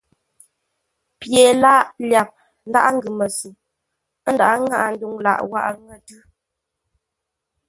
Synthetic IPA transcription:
pje˨la˦ʔlja˨p̚ | n̩˦da̰˦ʔŋ̩˦ɡɨ˨mə˨su˨ | ə˦n̩da˨ʔŋa̰˦ʔn̩˦du˦ŋla̰˨ʔwa̰˦ʔŋə˦˨tʉ˦

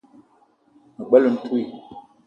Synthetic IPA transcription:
mə˨ɓə˦lə˨n̩˦tʰu˦i˨

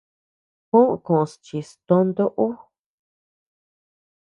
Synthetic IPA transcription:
kũ˦ʔkõ˨˧st͡ʃi˨st̪õ˧nd̪o˦ʔo˦

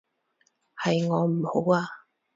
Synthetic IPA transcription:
hɐ˨jŋɔː˨˧m̩˨˩ho˨˥waː˧

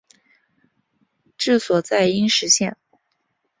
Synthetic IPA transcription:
ʈ͡ʂɻ̩˥˩swɔ˨˩t͡sa˥˩ɪi˥nʂɻ̩˧˥ɕjɛ˥˩n

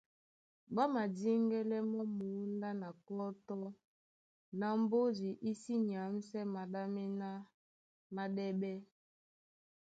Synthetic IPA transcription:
ɓa˦ma˨di˦ŋɡɛ˦lɛ˦mɔ˦mu˨˦nda˦na˨kɔ˦tɔ˦ | na˨m˦bo˦zi˨ʔi˦si˦ɲ˨a˨˦m̩˦sɛ˦ma˨ɗa˦mɛ˦na˦ | ma˦ɗɛ˦ɓɛ˦

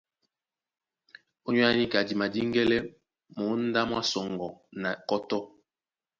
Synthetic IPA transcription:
o˦ɲ˦a˦ni˦ka˨di˨ma˨di˦ŋɡɛ˦lɛ˦ | mo˨˦n̩˦da˦mwa˦sɔ˨ŋɡɔ˨na˨kɔ˦tɔ˦

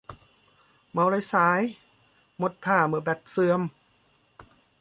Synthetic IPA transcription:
ma˨˦wɾa˧˦jsaː˨˦j | mo˧˥t̪ʰːaː˥˩mɯ˨˧˩bɛ˨˩t̪̚sɯ˧əm

